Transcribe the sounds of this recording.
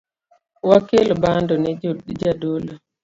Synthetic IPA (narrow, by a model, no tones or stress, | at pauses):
wakelbandɔnɛd͡ʒadola